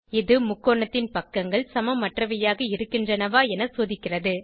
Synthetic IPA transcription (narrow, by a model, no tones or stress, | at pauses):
ɪðɯmʊkːoːɳɐt̪ːɪnpɐkːɐŋɡɐɭsɐmɐmɐʈrɐʋɐjaːɣɐɪɾɯkːɪndrɐnɐʋaːɛnɐsoːðɪkːɪrɐðɯ